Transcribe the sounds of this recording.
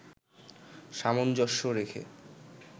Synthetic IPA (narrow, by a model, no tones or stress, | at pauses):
ʃamond͡ʑɔʃːoɾekʰḛ